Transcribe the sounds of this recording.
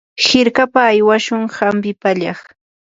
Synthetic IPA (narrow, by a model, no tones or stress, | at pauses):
xɪɾkapaːjwaʃʊŋhampɪpaʎɑχ